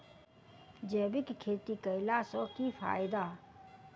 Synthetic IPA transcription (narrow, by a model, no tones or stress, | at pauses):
d͡ʒɛːbɪkkʰeːt̪ikəɪlasɔ̃kipʰa̰ːjɪd̪a